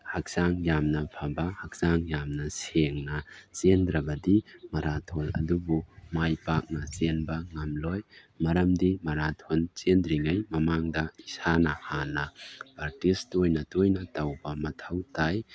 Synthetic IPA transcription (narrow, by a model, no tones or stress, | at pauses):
hak̚saŋjamnɐpʰabɐhɐk̚saŋjamnɐseŋnɐsendɾɐbɐdimɐɾatʰɔlɐ̰dubumajpak̚nɐsenbɐŋɐmlɔj | mɐɾɐmdimɐɾatʰont͡ʃendɾiŋajmɐmaŋdɐisanɐhanɐpaɾ̚tistojnɐtojnɐtawbɐmɐtʰɐwtaj